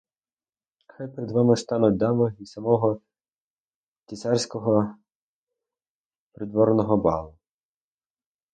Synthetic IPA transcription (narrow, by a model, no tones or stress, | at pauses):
xajpeɾed̪ʋɑmɪst̪ɑnʊt̚ʲd̪ɑmɔisɐmɔɦɔ | tʲisɑrsʲkɔɦɔ | pɾɪd̪ʋɔɾnɔɦɔbɑ̰lˠʊ